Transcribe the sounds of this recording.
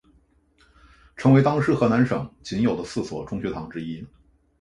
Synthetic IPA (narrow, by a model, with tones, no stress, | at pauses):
ʈ͡ʂʰɤ˧˥ŋwe˥ɪt̪ɑ˥ŋʂɻ̩˥˩xɤ˧˥na˧˥nʂɤ˨˩˦ŋt͡ɕi˧˥njo˨˩ʊd̪ə˦sɹ̩˥˩swɔ̰˨˩ʈ͡ʂʊ˥ŋɕɛ˧˥t̪ʰɑ˧˥ŋʈ͡ʂɻ̩˥i˥